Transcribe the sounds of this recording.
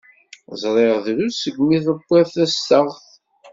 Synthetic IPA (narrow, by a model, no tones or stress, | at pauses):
zˤɾˤeʁðɾusəɡmiθəbːæθæst̪əʁθ